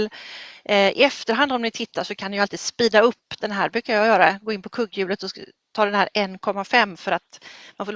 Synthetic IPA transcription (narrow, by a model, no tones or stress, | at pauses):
lʔɪ̰ɛft̪əɾɦand̪ɔmnɪt̪ʰɪt̪ʰːaʂɔkʰanɛjalt̪iːd̪spiːd̪aɵpːd̪̥ɛnɦæːɾbɾʉ̟ːkajɑjœːɾaɛɡoːɪnpʰɔkʰɵɡːjʉ̟ːlət̪ɔ | t̪ʰɑːd̪ɛnhæːɾʔɛnːkʰɔmːafɛmːfœɾat̪manfoːl